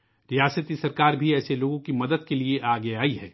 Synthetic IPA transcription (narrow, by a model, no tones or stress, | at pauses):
ɾijaːsət̪isɐɾkaːɾbʱiɛːseloːɡõkimɐd̪əd̪̚kelieʔaːɡɛaːiɦɛː